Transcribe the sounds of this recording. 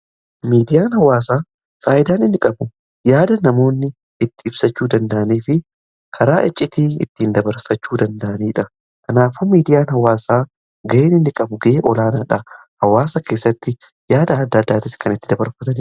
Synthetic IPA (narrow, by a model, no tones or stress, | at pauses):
miːd̪ɪjaːnhɐwaːsaː | faːʔɪd̪aːnɪnːɪkʼɐbʊ | jaːd̪ɐnɐmo̞ːnːɪ | ɪt̪ːɪɪbsɐt͡ʃːuːd̪ɐnd̪ɐʔɐniːfɪ | kʰɐɾaːʔɛt͡ʃʼːɪt̪iːɪt̪ːɪnd̪ɐbɐɾfɐt͡ʃːuːd̪ɐnd̪ɐʔɐniːᶑɐ | kɐnaːfumiːd̪ɪjaːnɦɐwaːsaː | ɡɐʔeːnɪnːɪkʼɐbʊɡɐʔeːʔɔlaːnaːᶑɐ | hɐwaːsɐke̞ːsːɐt̪ːɪ | jaːd̪ɐd̪ːɐd̪ːaːt̪ɪskʰɐnɪt̪ːɪd̪ɐbɐɾfɐt̪ɐn